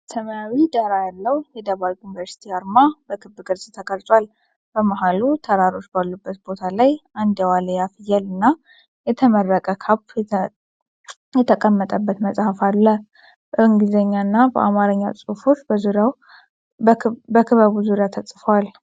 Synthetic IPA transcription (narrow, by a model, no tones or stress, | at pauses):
sʰəməjawid̪aɾajalːəwjɛd̪əβalunivəɾsi̥t̪ʰiaɾmabəkʰɨbːɨɡɨɾsʼt̪ʰəkʼəlsʼwal | b̥əmaɦalut̪ʰəɾaɾo̞t͡ʃːbalːubːət̪̚bo̞t̪ʰalajand̪əwaləjafjɛlɨnːa | jɛt̪ʰəmərːəkʼəkʰap | jɛt̪ʰəkʼəmːət̪ʼəbːət̪məsʼhafalːə | bəɨŋɡizəɲːanːabə̰ʔa̰maɾɨɲːa̰sʼɨhfo̞t͡ʃːbəzuɾjaw | bəkʰɨβaβuzuɾjat̪ʰəsʼfəwal